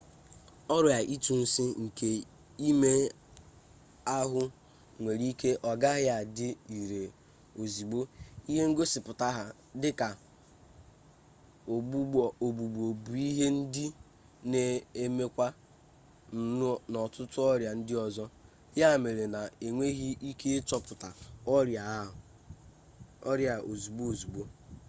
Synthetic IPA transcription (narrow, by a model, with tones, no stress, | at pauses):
ɔ˦ɾʊ˨ja˨ʔi˦tu˨n̩˦si˦ŋ̩˨ke˨ | i˦me˦ | a˦ɦʊ˦ | ŋʷe˨ɾi˦ke˦ʔɔ˨ɡa˦ɦɪ˦a˨dɪ˦i˨ɾe˨ | o˨zi˨ɡ͡bo˦i˦ɦe˦ŋ̩˦ɡo˦sɪ˨pʊ˨ta˦ɦa˦ | dɪ˦ka˨ | o˨u˦˨o˨bu˨ɡ͡bo˨bu˨i˦ɦe˦n̩˦dɪ˦ | ne˨e˦me˦kʷa˦ | n̩˨n˦nɔ˨tʊ˦tʊ˦ɔ˦ɾja˨n̩˦dɪ˦ɔ˨zɔ˦ | ja˦˨me˨ɾe˨na˨e˨ŋʷe˦ɦi˦i˦ke˦t͡ʃɔ˨pʊ˨ta˨ɔ˦ɾa˨˦˨ | ɔ̰˦ɾja˨o˨zi˨bo˦o˨zu˨ɡ͡bo˦